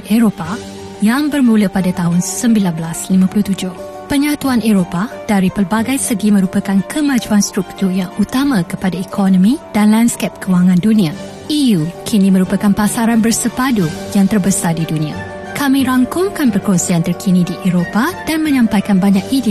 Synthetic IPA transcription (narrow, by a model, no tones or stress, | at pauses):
eɾopa | jaŋbərmũləpadat̪aɦʊnsəmbilanbəlaslimãpulʊht̪ud͡ʒʊh | pəɲat̪uaneɾopad̥aɾipərbaɡajsəɡimə̃ɾupəkankʰəmãd͡ʒuanst̪ɾuk̚t̪urjaŋut̪amãkəpadaekʰɔnɔ̃mĩdanlanskɛp̚kəwaŋãndunĩa | ijukʰinĩmə̃ɾupəkanpasaɾanbərsəpadujaŋt̪ərbəsardidunĩa̰ | kamĩɾaŋkʊŋkanpərkɔnsiant̪ərkʰinĩdiʔeɾopad̥anmə̃ɲãmpajkanbaɲakidi